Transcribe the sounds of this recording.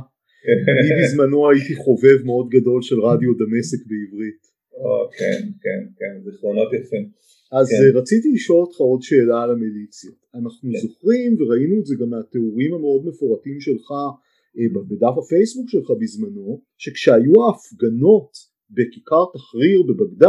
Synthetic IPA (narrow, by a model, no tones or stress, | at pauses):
mibizmano̞ajitiχo̞ve̞vmeo̞dɡado̞lʃe̞lʁadjo̞dame̞sekbeivʁit | okḛnkḛnkenzχlonot̪jafe | azʁat͡sitiliʃo̞lot̪χao̞dʃe̞ːlaːlamelit͡sjotanaχnuzo̞χʁimveʁainuetzeɡameate̞uʁimame̞odmefoʁatimʃe̞lχa | babedafafe̞jsbukʃelχabizmano̞ | ʃe̞kʃeajuaːfɡano̞t | be̞kikaʁtaχʁiʁbe̞baɡda